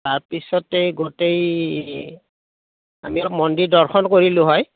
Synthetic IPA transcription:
taɹpisɔteɡotej | a̰mimɔndidɔɹxʰɔnkoɹilʊɦɔj

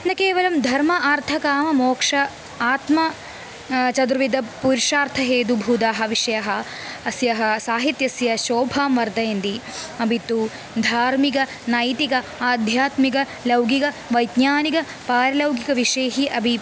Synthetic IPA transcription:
nɐkeːʋɐlɐmd̪ʱɐɾmɐʔaːɾt̪ʰɐkaːmɐmoːkʂɐ | aːt̪mɐ | t͡ʃɐd̪ɾuʋid̪ɐpuɾʂaːɾt̪ʰɐɦeːd̪ubʱuːd̪aːɦɐʋiʂɐjɐɦɐ̆ | ɐsjɐɦɐsaːɦit̪jɐsjɐʃoːbʱaːmʋɐɾd̪ɐjɐnd̪iɐbʱit̪ːu | d̪ʱaːɾmikɐ | naːjt̪ikɐaːd̪ʱjaːt̪mikɐ | lɐwɡikɐ | ʋɐjd̪ɲjaːnikɐ | paːɾɐlɐwɡikɐʋiʂɐjɐɦiʔɐbʱi

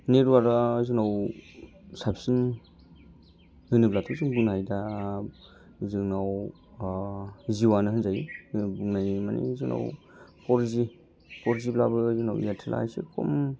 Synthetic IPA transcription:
neɾwaɾajzɯŋnaw | sapʰsin | hɯnɯblatʰusiŋbuŋnajda | zɯŋnaw | ziwanɯhɯnzajibuŋnajma̰nḭzɯŋna̰w | pɔɾizi | pɔɾiziblabɯzuna̰wjatʰila̰jsekʰo̰m

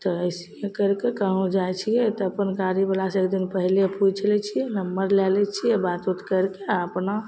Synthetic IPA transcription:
t̪ɔəjsiẽkəɾkekəɦõd͡ʒajt͡ʃʰijɛt̪ɔəpənkaɾibəlasːkd̪inpəɦlepud͡ʒt͡ʃəlɛt͡ʃʰiɛnəməɾlɛlɛt͡ʃʰijɛbat̪ut̪kəɾkeaəpna

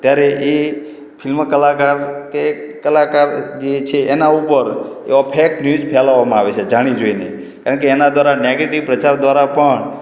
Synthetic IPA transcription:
t̪jaɾeʔe | pʰilmkəlakaɾkekəlakaɾd͡ʒet͡ʃʰeʔːnaupəɾḛapʰeknjud͡ʒpʰɛlaʋamãaʋet͡ʃʰed͡ʒaɽ̃id͡ʒoinḛ | kaɾəɳkeːnad̪ʱʋaɾaneɡeʈiʋpɾət͡ʃaɾd̪ʋaɾapəɳ

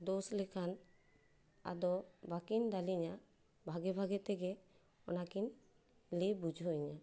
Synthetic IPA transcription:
d̪ɔslɛkʰan | a̰d̪ɔbakind̪aliɲa | bʱaɡɛbʱaɡɛt̪ɛɡɛ | ɔ̰nakin | libud͡ʒʱɔjɲa

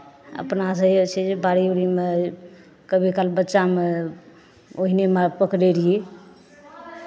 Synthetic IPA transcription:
ə̰pnas̬ə̃iot͡ʃʰɛd͡ʒebaɾiuɾime | kəbʱikalbətːʃame | oɦinemepəkɾeɾie

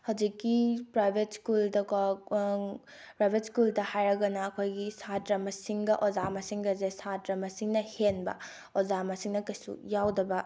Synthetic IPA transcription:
hɐwd͡ʒikːipɾajbʱetskuldɐk | pɾajbʱetskuldɐhajɾɐɡɐnɐːkʰojɡisatɾɐmɐsiŋɡɐʔozamɐsiŋɡɐzesatɾɐmɐsiŋnɐhenbɐ̰ | ozamɐsiŋnɐkɐjsṵjawdɐbɐ

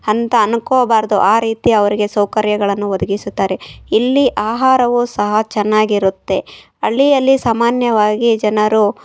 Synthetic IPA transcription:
ɐnt̪ɐːnukoːbaːɾd̪uʔaːɾiːt̪iɐʋɐɾiɡe̞sɐwkɐɾjɐɡɐɭɐnːuʋɐd̪ɐɡisut̪ːaːɾe̞ilːiʔaːɦaːɾɐʋusɐɦɐt͡ʃɛnːaːɡiɾut̪ːe̞ | ɐɭːijɐlːisaːmaːnjɐʋaːɡid͡ʒɐnɐɾu

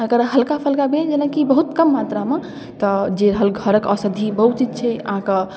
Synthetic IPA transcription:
əɡəɾɦəlkapʰəlkabed͡ʒeləkibəɦut̪kəmːat̪ɾame | t̪ɔd͡ʒeɾəɦəlɡʱəɾəkəsəd̪ʱibəɦut̪t͡ʃid͡ʒt͡ʃʰɛə̰ɦãkə

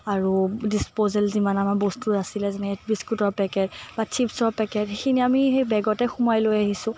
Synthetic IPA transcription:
aɹudispozɛlzimanamabɔstuɹasilɛzɛnɛt̚biskutɔɹpɛkɛtbat͡ʃʰipsɔɹpɛkɛthexʰiniamiejbɛɡɔtɛxumajlojaɦisʊ̃

